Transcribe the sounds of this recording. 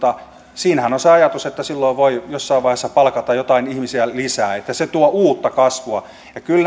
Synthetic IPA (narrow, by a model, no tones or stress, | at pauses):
t̪ɑ | siːnhænonseɑjɑt̪uset̪ːæsilːoiʋʋoijosːɑiʋʋɑihesːɑpɑlkɑt̪ɑjjot̪ɑinihmisiælisæːet̪ːæset̪uoʔuːt̪ːɑkɑsʋuɑ | jɑkyln